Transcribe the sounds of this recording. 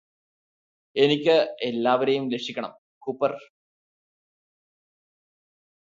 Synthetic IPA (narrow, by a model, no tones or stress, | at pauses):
e̞nikʲːɨelːaːʋɐɾejumleʂikʲːɐɳɐ̰m | kupːɐr